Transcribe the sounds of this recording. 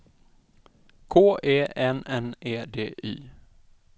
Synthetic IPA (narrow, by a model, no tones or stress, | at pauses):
kʰoːeːɛnɛneːd̪ḛːʔiː